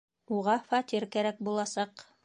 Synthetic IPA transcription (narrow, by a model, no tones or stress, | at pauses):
uʁɑfɑt̪ʲiɾkæɾæk̚bulˠɑsɑq